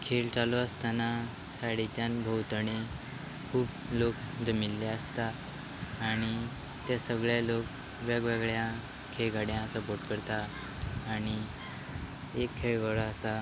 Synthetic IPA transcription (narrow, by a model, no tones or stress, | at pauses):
kʰelt͡salɔəst̪ana | saɽit͡ɕanbʱəwt̪əɳe | kʰuːp | lokd͡zəmilːeəst̪aː | ɽ̃i | t̪asəɡɭjalok | ʋeɡʋeɡɭjã | kʰeɭɡaɽjãsəpoɾʈkəɾt̪aː | ɽ̃i | ekʰːeɭɡəɭəsa